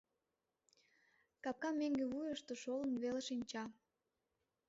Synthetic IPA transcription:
kɑp̚kɑmːeŋɡeβujəʃt̪oʃolə̆nβeleʃinʲt͡ɕɑ

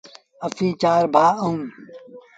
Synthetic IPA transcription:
ɐfĩːt͡ɕaːɾbʱaːɐũm

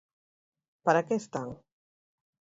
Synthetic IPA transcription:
paɾakest̪aŋ

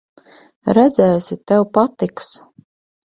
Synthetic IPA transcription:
ɾæd̪zæːsit̪ɛwpat̪iks

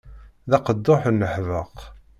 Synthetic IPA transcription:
ðɑqəd̪ːoħnːəħvəq

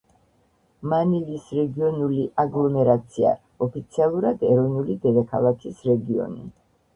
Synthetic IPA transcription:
manivisɾɛɡiɔnuliʔaɡlˠɔmɛɾat̪sʰia̰ | ɔpʰit̪sʰialˠuɾad̪ɛɾɔvnulid̪ɛd̪akʰalˠakʰisɾɛɡiɔ̰nḭ

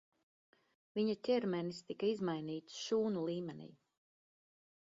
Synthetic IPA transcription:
viɲat̪ʲɛɾmɛnist̪ikaizmajniːt̪sʃuːnulˠiːmɛnḭj

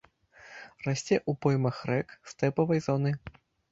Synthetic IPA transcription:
rasʲt͡sʲɛʔupɔjmɐxɾɛkst̪ɛpɐvɐjzɔnɨ

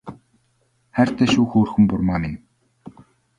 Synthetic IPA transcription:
χær̥t̪ʰæːʃuːxoːrxɵ̆mpʊrmaːmɪn

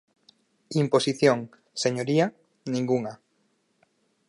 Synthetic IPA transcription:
imposiθjoŋ | seɲoɾia | nĩŋɡuŋa

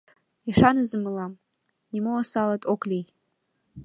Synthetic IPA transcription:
iʂanɨzɨmɨlam | nimoasalatʼokʼlʲij

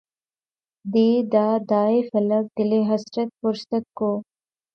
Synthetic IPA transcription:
d̪eːd̪aːd̪aːefɐlɐk̚d̪ɪleɦɐsɾɐt̪̚fʊɾsɐt̪̚koː

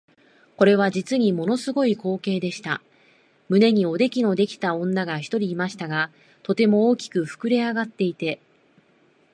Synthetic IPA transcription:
ko̞ɾe̞β̞ad͡ʑit͡sɨɲ̟imo̞no̞sɨɡo̞iko̞ːke̞ːd̪e̞ɕi̥t̪a | mɯ̟ne̞ɲ̟io̞d̪e̞kʲino̞d̪e̞kʲi̥t̪aõ̞nːaɡaçi̥t̪o̞ɾʲiːmaɕi̥t̪aɡa | t̪o̞t̪e̞mo̞ːkʲi̥kɯ̟ɸɯ̟̥kɯ̟ɾe̞aɡat̪ːe̞it̪e̞

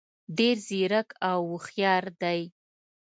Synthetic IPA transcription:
ɖeɾziɾakʰawːəxjɑɾd̪aj

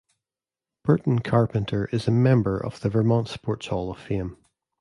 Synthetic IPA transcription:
b̥ɜ˞ʔn̩kʰaɹpə̃ntʰə˞ʔɪzəmɛ̃mbə˞ʔə̰v̥ðəvə˞mɔ̃ntspɔɹtshɔlˠəv̥fẽm

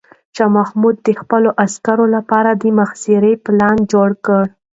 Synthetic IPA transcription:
ʃɑmahmud̪̚ːəxpəloʔaskaɾolapɑɾad̪əmaxsiɾeplɑnd͡ʒoɽkəɽ

